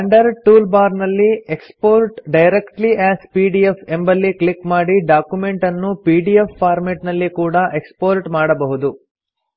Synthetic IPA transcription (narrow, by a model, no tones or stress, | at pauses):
ɐɳɖɐɾʈuːlbaːɾnɐlːiekspoːɾʈɖɐjɾekʈliʔæːspiːɖiepʰe̞mbɐlːiklikmaːɽiɖaːkjumeɳʈɐnːupiːɖiefːaːɾmeʈnɐlːikuːɽɐʔekspoːɾʈmaːɽɐbɐɦud̪u